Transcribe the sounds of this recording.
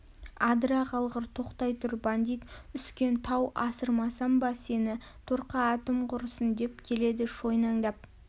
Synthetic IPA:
ɑd̪ɾɑqɑlˠʁəɾt̪ʰo̞qt̪ɑjt̪ʰʊɾband̪ijt̪ʏskʲe̞nt̪ʰɑwʔɑsəɾmɑsɑmbɑse̞nɪ | t̪ʰoɾqɑːt̪əmqʰʊɾəsənd̪e̞p̚kʲʰe̞le̞d̪ɪʃo̞jnɑŋd̪ɑp̚

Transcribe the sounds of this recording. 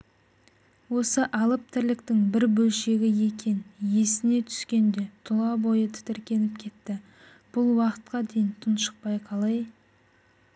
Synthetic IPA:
wo̞səʔɑlˠəp̚t̪ʰɪɾlɪkt̪ɪŋbɪɾbɵlʃe̞ɡʲɪje̞kʲʰe̞nje̞sɪne̞t̪ʰʏ̥skʲe̞nd̪e̞t̪ʰʊlˠɑbo̞jət̪ʰɪ̥t̪ɪɾkʲe̞nɪp̚kʲʰe̞t̪ːɪ | b̥ʊlˠwɑqə̥t̪̚qɑd̪e̞jɪnt̪ʰənʃə̥q̚pɑjqʰɑlˠɑj

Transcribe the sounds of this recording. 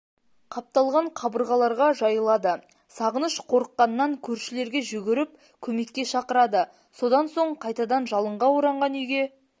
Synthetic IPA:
qʰɑp̚t̪ɑlˠʁɑɴqʰɑbəɾʁɑlˠɑɾʁɑʒɑjəlˠɑd̪ə | sɑʁənəʃqʰo̞ɾəqːɑnəːɑŋkʲʰɵɾʃɪle̞ɾɡʲe̞ʒʏɡʲɪɾɪp̚ | kʲʰɵme̞kʲːe̞ʃɑqəɾɑd̪ə | so̞d̪ɑnso̞ɴqʰɑjt̪ɑd̪ɑnʒɑlˠəɴʁɑwoɾɑɴʁɑnʏjɡʲe̞

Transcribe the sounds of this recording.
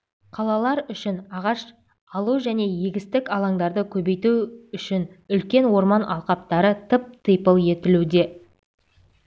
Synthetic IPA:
qʰɑlˠɑlˠɑɾʏʃɪnɑʁɑʃ | ɑlˠuʒæne̞je̞ɡʲɪst̪ɪkɑlˠɑŋd̪ɑɾd̪əkʲʰɵbe̞jt̪uʏʃɪnʏlkʲe̞nwo̞ɾmɑnʔɑ̰lˠqɑpt̪ɑɾət̪ʰɪp̚t̪ʰəjpəlˠje̞t̪ɪlud̪e̞

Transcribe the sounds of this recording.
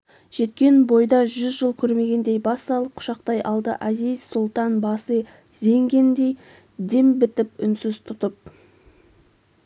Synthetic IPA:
ʒ̥e̞t̪̚kʲe̞nbo̞jd̪ɑʒʏzʒəlˠkʲʰɵɾme̞ɡʲe̞nd̪e̞jbɑsːɑlˠəp̚qʰʊ̥ʃɑqt̪ɑjʔɑlˠd̪ə̰ʔæzizsʊlˠt̪ɑnbɑsə | ze̞ŋɡʲe̞nd̪e̞j | d̪e̞mbɪt̪ɪpʏnsʏzt̪ʰʊt̪əp̚

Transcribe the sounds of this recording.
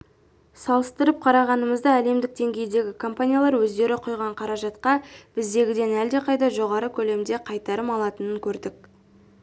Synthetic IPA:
sɑlˠəst̪əɾəp̚qʰɑɾɑʁɑnəməzd̪əæle̞md̪ɪk̚d̪e̞ŋɡʲe̞jd̪e̞ɡʲɪkʰo̞mpanʲijalˠɑɾwɵzd̪e̞ɾɪqʰʊjʁɑɴqʰɑɾɑʒɑt̪qɑb̥ɪzd̪e̞ɡʲɪd̪e̞næld̪e̞qʰɑjd̪ɑʒo̞ʁɑɾəkʲʰɵle̞md̪e̞qʰɑjt̪ɑɾəmɑlˠɑt̪ənəŋkʲʰɵɾd̪ɪk̚

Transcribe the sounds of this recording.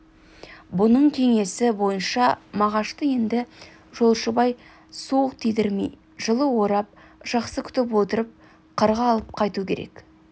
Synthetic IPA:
bʊnəɴkʲʰe̞ŋe̞sɪbo̞jənʃɑmɑʁɑʃt̪əje̞nd̪ɪ | ʒo̞lˠʃəbɑj | suəq̚t̪ʰijd̪ɪɾmḭj | ʒəlˠəwo̞ɾɑp̚ | ʒ̥ɑqsəkʲʰʏ̥t̪ɪp̬wo̞t̪əɾəp̚ | qʰəɾʁɑːlˠəp̚qʰɑjt̪ukʲʰe̞ɾe̞̰k

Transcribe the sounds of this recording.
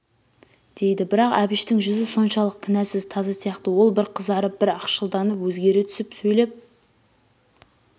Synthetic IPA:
d̪̥e̞jd̪ɪbɪɾɑqæ̰bɪʃt̪ɪŋʒʏzɪso̞nʃɑlˠəq̚t̪ʲʰɪnæsɪzt̪ʰɑzɑsijɑqt̪əwo̞lˠbɪɾqʰəzɑɾəp̚bɪɾɑqʃəlˠd̪ɑnəpwɵzɡʲe̞ɾet̪ʰʏ̥sɪpsɵjle̞p̚

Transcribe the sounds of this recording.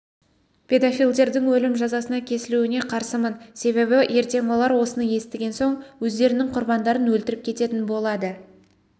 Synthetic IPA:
pʲʰe̞d̪ofijlʲˠd̪e̞ɾd̪ɪŋwɵlɪmʒɑzɑsənɑkʲʰe̞sɪluɪne̞qʰɑɾsəmənse̞βe̞βɪʔje̞ɾt̪e̞ŋwo̞lˠɑɾwo̞sənəje̞st̪ɪɡʲe̞nso̞ɴwɵzd̪e̞ɾɪnɪŋqʰʊɾbɑnd̪ɑɾənwɵlt̪ɪɾɪp̚kʲʰe̞t̪e̞t̪ɪnbo̞lˠɑd̪ə

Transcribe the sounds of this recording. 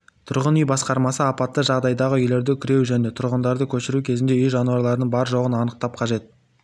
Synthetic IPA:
t̪ʰʊɾʁənyjbɑsqɑɾmɑsəɑpɑt̪ːəʒɑʁd̪ɑjd̪ɑʁəʏjle̞ɾd̪ɪkʲʰʏɾe̞wʒɵnet̪ʰʊɾʁənd̪ɑɾd̪əkʲʰɵʃɪɾukʲʰe̞zɪnd̪eʏjʒɑnuɑɾlˠɑɾd̪əɴbɑɾəʒo̞ʁənɑnəq̚t̪ɑp̚qʰɑʒe̞t̪̚

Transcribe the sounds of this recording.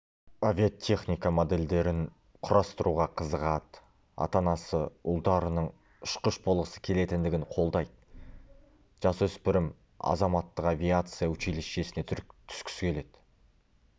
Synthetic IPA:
avʲijat̪ʲʰe̞χnʲijkamod̪e̞ld̪e̞ɾɪn | qʰʊɾʔɑst̪əɾuʁɑqʰəzəʁɑt̪ | ɑ̰t̪ɑnɑsəʊlˠd̪ɑɾənəɴ | ʊʃqəʃbo̞lˠʁəsə̥kʲʰe̞le̞t̪ɪnd̪ɪɡʲɪɴqʰo̞lˠd̪ɑjd̪ | ʒ̥ɑswɵspɪɾɪm | ɑ̰zɑmɑt̪ːəqavʲijat̪sɨjawʏt͡ʃelesʃe̞sɪne̞t̪ʰʏ̥skʲʏ̥skʲʰe̞le̞d̪̥

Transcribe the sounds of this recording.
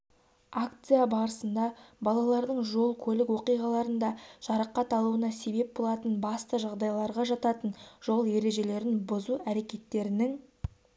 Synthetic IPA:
akt̪sɨjabɑɾəsənd̪ɑbɑlˠɑlˠɑɾd̪əɴʒo̞lˠkʲʰɵlɪkwo̞qijʁɑlˠɑɾənd̪ɑʃɑɾəqːɑt̪ɑlˠuənɑse̞be̞p̚bo̞lˠɑt̪ənbɑst̪əʒɑʁd̪ɑjlˠɑɾʁɑʒɑt̪ɑt̪ənʒ̥o̞lˠje̞ɾe̞ʒe̞le̞ɾɪnbʊzuæɾe̞kʲe̞t̪ːe̞ɾɪnɪŋ

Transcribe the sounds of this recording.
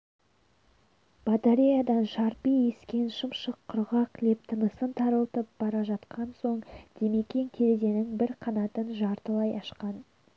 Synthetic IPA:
b̥at̪aɾʲijad̪ɑnʃɑɾpije̞skʲe̞nʃəmʃəqʰːʊɾʁɑqle̞p̚t̪ʰənəsənt̪ʰɑɾəlˠt̪əp̚b̥ɑɾɑʒɑt̪qʰɑnso̞ɴd̪̥e̞me̞kʲe̞ŋkʲʰe̞ɾed̪e̞nɪŋbɪɾqʰɑnɑt̪ənʒɑɾt̪əlˠɑjɑʃqɑn

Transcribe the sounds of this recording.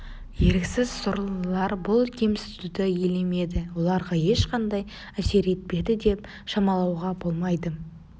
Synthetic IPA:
je̞ɾkʲsɪzsʊɾəlˠəlˠɑɾbʊlˠkʲʰemst̪ud̪ɪjeleme̞d̪ɪwo̞lˠɑɾʁɑje̞ʃqɑnd̪ɑj | æse̞ɾe̞t̪̚pe̞d̪ɪd̪e̞p | ʃɑmɑlˠɑwʁɑbo̞lˠmɑjd̪ə

